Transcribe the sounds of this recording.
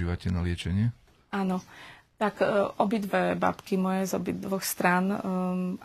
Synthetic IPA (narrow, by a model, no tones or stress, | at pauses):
iːʋacɛnalɪɛt͡ʃɛɲɪɛ | aːnɔt̪akʔɔbid̪ʋɛba̰pkimɔjɛzɔbḭd̪ʋɔxst̪ɾaːn